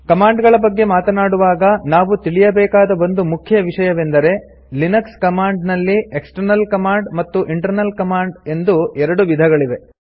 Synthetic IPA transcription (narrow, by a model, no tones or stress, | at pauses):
kɐmaːɳɖɡɐɭɐbɐɡːe̞maːt̪ɐnaːɽuʋaːɡɐnaːʋut̪iɭijɐbɛːkaːd̪ɐo̞nd̪umukʰjɐʋiʂɐjɐʋe̞nd̪ɐɾe̞ | linɐkskɐmaːɳɖnɐlːiʔeksʈɐɾnɐlkɐmaːɳɖmɐt̪ːuʔiɳʈɐɾnɐlkɐmaːɳɖe̞nd̪uɛɾɐɽuʋid̪ʱɐɡɐɭiʋe̞